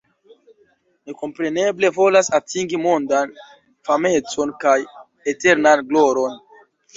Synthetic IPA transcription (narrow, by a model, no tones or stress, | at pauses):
neko̞mpɾe̞ne̞ble̞vo̞lasatiŋɡimo̞ndan | fame̞t͡so̞nkaj | ete̞ɾnanɡlo̞ɾo̞n